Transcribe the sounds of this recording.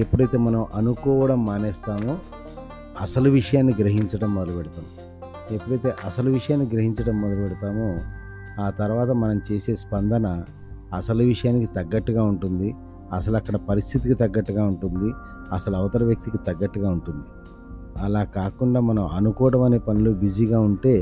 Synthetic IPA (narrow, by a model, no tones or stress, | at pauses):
e̞pːuɽɐjt̪eːmɐnɐmʔɐnukɔːʋɐɽɐmːaːneːst̪aːmu | ɐsɐluʋiʂɐjaːnːiɡɾɐɦiɲt͡ʃɐɽɐmːɔd̪ɐlɐbeɽut̪aːmu | e̞pːuɽɐjt̪e̞ːʔɐsɐluʋiʂɐjaːnːiɡɾɐɦiɲt͡ʃɐɽɐmːɔd̪ɐlɐbeɽut̪aːmu | aːt̪ɐɾuʋaːt̪ɐmɐnɐmt͡ʃe̞ːse̞ːspɐnd̪ɐnɐː | sɐluʋiʂɐjaːnikit̪ɐɡːɐʈːuɡaːuɳʈund̪i | ɐsɐluɐkːɐɽɐpɐɾist̪ʰit̪ikit̪ɐɡːɐʈːuɡaːuɳʈund̪i | ɐsɐluɐʋɐt̪ɐɾɐʋjɐk̚t̪ikit̪ɐɡːɐʈːuɡaːuɳʈund̪i | ɐlaːkaːkuɳɖaːmɐnɐmɐnukɔːɽɐmɐne̞ːpɐnulubid͡ʒiɡaːuɳʈe̞ː